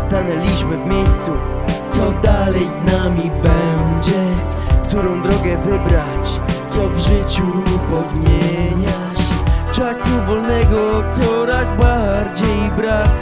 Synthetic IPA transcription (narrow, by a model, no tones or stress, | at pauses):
st̪anɛlʲiɕmɘvmʲjejst̪su | t̪sɔd̪alɛjznamʲibɛnd͡ʑɛ | kt̪uɾɔ̃w̃d̪ɾɔɡɛvɘbɾat͡ɕ | t̪sɔvʐɘt͡ɕupɔzmʲjeɲa | t͡ɕt͡ʂasuvɔlnɛɡɔt̪sɔɾazbaɾd͡ʑejbɾak